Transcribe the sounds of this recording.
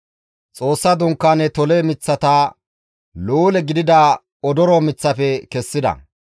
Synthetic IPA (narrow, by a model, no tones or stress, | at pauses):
t͡sʼo̞ːsːɐd̪ʊŋkːaːnɛt̪ɔleːmɪt͡sːɐt̪aː | luːlɛɡɪd̪ɪd̪ɐ | ɔd̪ɔɾɔmɪt͡sːɐfɛkɛsːɪd̪ɐ̰